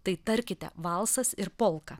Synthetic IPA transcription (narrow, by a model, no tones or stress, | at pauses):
t̪ɐɪt̪ɐɾʲkʲɪt̪ʲɛ̰ʋɑlˠsɐsɪɾpoːlˠkɐ